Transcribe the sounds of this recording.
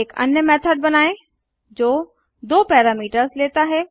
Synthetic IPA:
ekɐ̰njəmɛːt̪ʰəɖ̚bɐnaːe | d͡ʒoː | d̪oːpɛːɾaːmiːʈəɾsleːt̪aɦɛː

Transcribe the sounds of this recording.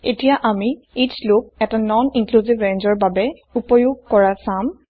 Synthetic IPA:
etijaʔami | itslok̚ɛtanɔniŋkluzibɹend͡ʒɔɹbabɛ | upɔjuɡ̚kɔɹasam

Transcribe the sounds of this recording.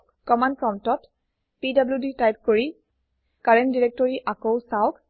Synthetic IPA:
kɔmankɹɔntɔt | pidabljuditajp̚koɹi | kaɹɛndiɹɛk̚tɔɹiʔakowsaʊk

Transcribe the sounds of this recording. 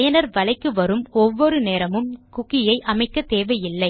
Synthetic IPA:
jɐnɐɾʋɐɭɐɪkːɯʋɐɾɯmɔʋːɔɾɯneːɾɐmɯmkʊkːɪjɐɪʔɐmɐɪkːɐt̪eːʋɐjɪlːɐɪ

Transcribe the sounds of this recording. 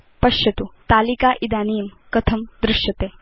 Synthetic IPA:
pɐʃjɐt̪ut̪aːlikaːʔid̪aːniːmkɐt̪ʰɐmd̪ɾɪʃjɐt̪eː

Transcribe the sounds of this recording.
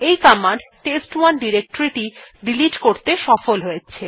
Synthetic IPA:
ejkamaɳɖʈesʈwanɖiɾek̚ʈoɾiʈiɖiliʈkoɾt̪eʃɔfolɦojet͡ɕʰe

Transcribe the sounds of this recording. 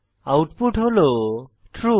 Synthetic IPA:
awʈpuʈholo | ʈʰɾu

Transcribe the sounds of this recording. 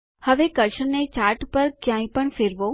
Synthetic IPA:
həʋekəɾʃənet͡ɕaːɾʈpəɾkjãːĩpəɳ̃fʰɪɾʋo

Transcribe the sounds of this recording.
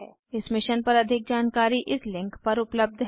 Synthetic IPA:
ɛː | ɪsmɪʃənpɐɾɐd̪ʱɪk̚d͡ʒaːnkaːɾiʔɪslɪ̃ŋkpɐɾʊpləb̚d̪ʱɦ

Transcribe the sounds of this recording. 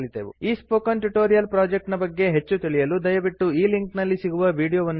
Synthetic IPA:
ɭit̪eːʋṵiːspoːkɐnʈuʈoːɾijɐlpɾaːd͡ʒek̚ʈnɐbɐɡːe̞ɦe̞t͡ʃːut̪iɭijɐlud̪ɐjɐʋiʈːuiːliŋknɐlːisiɡuʋɐʋiːɖijoːʋɐnː

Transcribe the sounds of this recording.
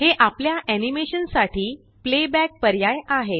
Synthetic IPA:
ɦeʔapljaʔænimeɕənsaʈʰiː | plebæk̚pəɾjajaɦe

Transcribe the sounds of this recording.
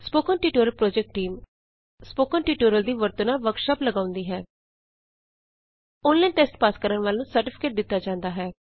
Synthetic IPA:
spoːkɔ̃nʈiːʈoːɾəlpɾoːd͡ʒɛk̚ʈːiːm | spoːkɔ̃ːnʈiːʈoːɾəld̪iːʋəɾt̪ənãːʋəɾkʃaːpləɡãːʊ̃nd̪iːɦɛː | ʊːnlɛ̃ːnʈesʈpaːskəɾəɳʋaːlnũːsəɾʈɪpʰɪ̥keːʈ̚d̪ɪt̪ːaːd͡ʒãːnd̪aːɦɛː

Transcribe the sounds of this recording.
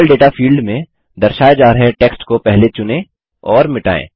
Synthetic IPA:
lɖeːʈafʰiːlɖmẽ | d̪ɐɾʃaːjd͡ʒaːɾəɦeʈeːksʈkopɛɦlet͡ʃʊnẽ | ɔːɾmɪʈa̰ːḛ̃ː

